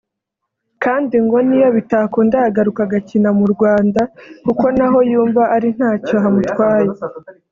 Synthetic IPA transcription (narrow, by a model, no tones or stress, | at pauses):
kaːndiŋɡo̞nijoβitakondahaɡaɾukaɡacinamuɾɡwaːndakuko̞naɦo̞juːɱvaʔaɾin̥haːco̞ɦamutwaːje